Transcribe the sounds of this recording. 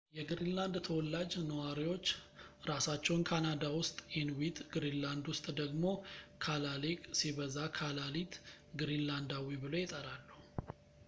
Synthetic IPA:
jɛɡɾinland̪t̪ʰəwɔlːad͡ʒnəwaɾiwo̞t͡ʃːɾasat͡ʃːɛwnkʰanad̪awʊst̪ʼʔenwit̪ʼɡɨɾinland̪wʊst̪ʼd̪əɡmo̞kʰalalekʼsiβəzakʰalalit̪ | ɡɾinland̪awibɨlo̞jɪt̪ʼəɾalːəhu

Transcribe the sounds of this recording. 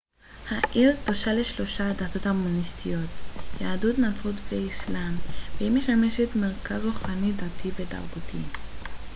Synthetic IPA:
haʔiʁtoʃaleʃlo̞ʃadato̞tomonistʰijo̞tjaːdutnat͡sʁutveislamvehimeʃame̞ʃetmeʁkazʁuχanidatʰiveta̰ʁbutʰḭ

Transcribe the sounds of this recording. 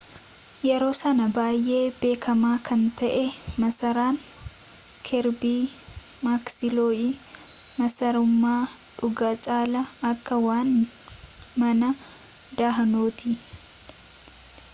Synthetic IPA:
jɛɾo̞ːsɐnɐbaːjʔe̞ːbe̞ːkʰɐmaːkʰɐnt̪ɐʔɛmɐsɐɾaːn | kʰɛɾbiː | maːksɪloːi | mɐsɐɾʊmːaː | ᶑʊɡaːt͡ʃʼaːlɐɐkːɐwaːn | mɐnɐ | d̪aːɦɐnoːt̪ɪ

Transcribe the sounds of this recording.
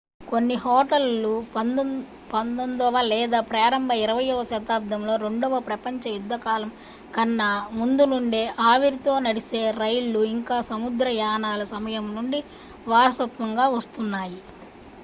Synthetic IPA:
konːiɦɔːʈɐlːu | pɐnd̪ond̪ɐʋɐlɛːd̪aːpɾaːɾɐmbʱɐiɾɐʋɐjɔʋɐʃɐt̪aːp̚d̪ʱɐmlo̞ːɾe̞ɳɖɔʋɐpɾɐpɐɲt͡ʃɐjud̪ːɐkaːlɐm | kɐnːɐmund̪unuɳɖeːʔaːʋiɾit̪o̞ːnɐɽise̞ːɾɐjlːuiŋkaːsɐmud̪ɾɐjaːnaːlɐsɐmɐjɐmnuɳɖi | ʋaːɾɐsɐt̪ʋɐŋɡaːʋɐst̪unːaːji

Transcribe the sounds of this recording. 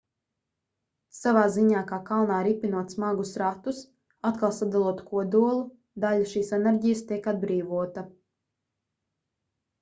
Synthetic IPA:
savaːziɲaːkaːkalˠnaːɾipinuɔt̪smaɡusɾat̪us | at̪kalˠsad̪alˠuɔt̪u̥kuɔd̪uɔlˠu | d̪aʎaʃiːsɛnɛɾɟijəst̪ʲiɛkad̪̚bɾiːvuɔt̪a

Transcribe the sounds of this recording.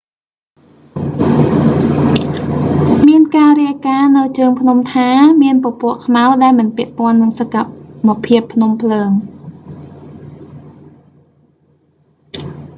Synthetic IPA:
miənkaːriəkaːnɨwt͡ɕəːŋpʰnumt̪ʰaːmiənpopŏəʔkʰmaɔɗaɛlmɨnpɛ̆əʔpŏənːɨŋsakaməpʰiəpʰːnumpʰləːŋ

